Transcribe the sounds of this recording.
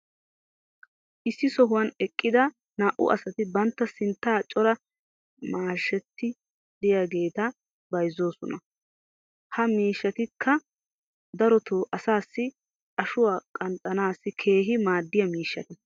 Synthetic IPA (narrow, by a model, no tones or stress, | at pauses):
ʔɪsːɪsɔɦʊwɐnɛkʼːɪd̪ɐ | naːʔʊ̰ʔɐ̰sɐt̪ɪbɐnt̪ːɐsɪnt̪ːaːt͡ʃʼɔɾɐ | maːʃːɛt̪ːɪ | d̪̥ɪjaɡe̞ːt̪ɐ | bɐjzːoːsɔnɐ | hɐmiːʃːɐt̪ɪkʰːɐ | d̪ɐɾɔt̪ʰoːʔɐsaːsːɪ | ɐʃʊwaːkʼɐnt̪ʼːɐnaːsːɪkʰe̞ːɦɪmaːd̪ːɪjɐmiːʃːɐt̪ɛ